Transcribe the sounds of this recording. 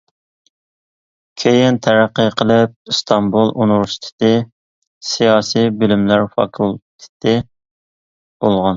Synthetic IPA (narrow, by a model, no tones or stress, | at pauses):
kʲʰejɪnt̪ʰæɾæqːəqʰːəlˠɪp̚st̪ʰɑmbulˠʔunɾst̪ʰɪ̥t̪ɪ | sijɑːsijbɪlymlæɾfɑ̰kʰulˠt̪ʰɪ̥t̪ʰɪ | b̥olˠʁɑn